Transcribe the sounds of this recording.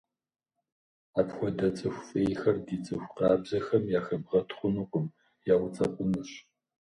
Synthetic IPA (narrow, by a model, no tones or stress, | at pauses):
aːpxʷɔdɐt͡sʼɨxʷfʼeːjxɐrdiːt͡sʼɨxʷqɑːbzɐxɐmjaːxɐbʁɐtʰχʷʊnɨkʷʼʊm | jaːwʷʊt͡sʼɐqʷʼʊnɨɕ